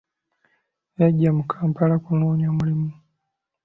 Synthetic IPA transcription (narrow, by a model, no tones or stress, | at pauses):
jaɟamukʰampalakunoːɲamulimu